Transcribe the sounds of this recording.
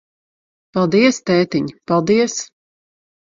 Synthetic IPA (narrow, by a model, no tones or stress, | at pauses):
palˠd̪iɛst̪ɛːt̪iɲpalˠd̪iɛs